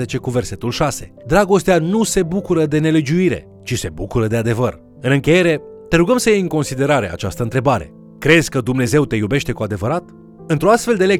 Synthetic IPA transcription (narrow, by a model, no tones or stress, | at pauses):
et͡ʃe̞kuve̞rse̞t̪ulʃase̞̥̰ | d̪ɾaɡo̞st̪eanuse̞bukuɾəd̪e̞ne̞le̞d͡ʒuiɾe̞̰ | t͡ʃise̞bukuɾəd̪e̞ad̪e̞vər | ɨnɨŋkʲe̞je̞ɾe̞ | t̪e̞ɾuɡəmsəjejɨŋko̞nsid̪e̞ɾaɾe̞̰a̰t͡ʃast̪əɨnt̪ɾe̞baɾe̞̰ | kɾe̞z̥ʲkəd̪umne̞ze̞wt̪e̞jube̞ʃt̪e̞kuad̪e̞vəɾat̪ | ɨnt̪ɾoast̪fe̞ld̪e̞le